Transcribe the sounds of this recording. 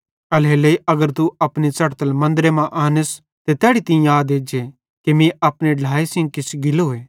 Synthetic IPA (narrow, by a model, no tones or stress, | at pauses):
ɐleːleiɐɡəɾt̪uɐpnit͡sɐɽt̪əlmɐ̃nd̪ɾemãʔaːnəs | t̪et̪ɛːɽit̪ɪ̃ĩaːd̪eːd͡ʒe | kemĩʔɐpɽ̃eɖʱaːesɪ̃ŋɡ̚kɪsɡɪloɦoeː